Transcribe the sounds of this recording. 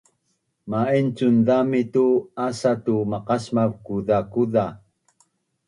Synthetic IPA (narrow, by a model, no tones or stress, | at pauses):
maint͡sundamit̪uasat̪umaqasmavkuðakuða